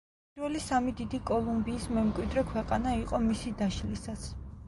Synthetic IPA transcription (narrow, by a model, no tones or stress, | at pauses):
pʼiɾwɛlisamid̪id̪ikʼɔlˠumbiːsmɛmkʼwid̪ɾɛkʰwɛqʼanaiqʼɔmisid̪aʃlisat̪sʰ